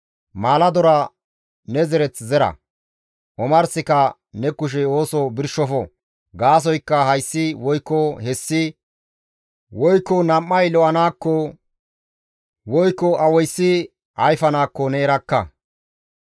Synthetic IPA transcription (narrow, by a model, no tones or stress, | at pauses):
maːlɐd̪ɔɾɐ | nɛzɛɾɛt͡szɛɾɐ̰ | ʔɔmɐɾsɪkɐ | nɛkʊʃ̬ɛo̞ːsɔbɪɾʃɔfɔ | ɡaːs̬ɔjkːɐhɐjsːɪwɔjkːɔhɛsːɪ | wɔjkːɔnɐmːɐjlɔʔɐnaːkːɔ | wɔjkːɔɐwɔjsːɪ | ɐjfɐnaːkːɔnɛːɾɐkːɐ̰